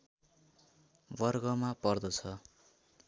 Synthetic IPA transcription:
bʌrɡʌmapʌrd̪ʌt͡sʰʌ

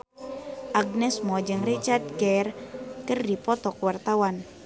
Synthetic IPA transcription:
ʔaɡ̚nɛsmɔd͡ʒɨŋrit͡ʃard̪̚ɡɛrkərdipɔt̪ɔkwart̪awan

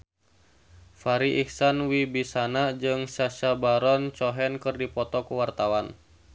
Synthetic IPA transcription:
faɾiʔiksanwibisanad͡ʒɨŋsaʃabaɾɔnt͡ʃɔɦɛnkɨrdipɔt̪ɔkuwart̪awan

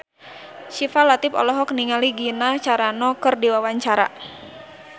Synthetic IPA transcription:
ʃifalat̪ɪpɔ̰lɔɦɔk̚niŋaliɡinat͡ʃaɾanɔkɨrdiwawaɲt͡ʃaɾa̰

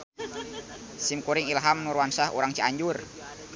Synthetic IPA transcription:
simkuɾɪŋilɦamnuɾwansahṵɾaŋt͡ʃiaɲd͡ʒur

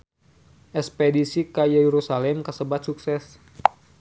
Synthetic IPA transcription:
ʔɛspɛdisikajɛjeɾusalɛmkəsəbat̪̚suksɛs

